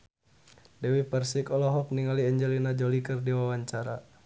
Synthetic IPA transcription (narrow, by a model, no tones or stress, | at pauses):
dɛwipərsikɔlɔɦɔk̚niŋaliɛɲd͡ʒɛlinad͡ʒɔlikərdiwawaɲt͡ʃaɾa